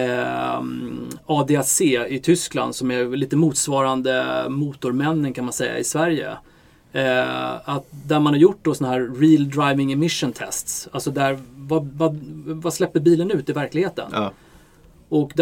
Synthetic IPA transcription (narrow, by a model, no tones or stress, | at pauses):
ɑːd̪eːɛseːɪt̪ʰʏskla̰nd̪sɔmɛliːt̪əmuːt̪svɑːɾand̪əmuːt̪ʊɾmɛnːənkʰanmansɛjːa̰ɪsvæɾjə̰ | at̪̚d̪æɾmanhaɾjʊʈ̚ːd̪ɔsɔnaɦæːɾɾiːld̪ɾajvɪŋɛmɪʂənt̪ʰɛ̰st̪salsɔd̪æɾvavavaslɛpːəɾbiːlənʉ̟ːt̪ɪvæɾklɪɡheːt̪ə̰n | ɔkd̪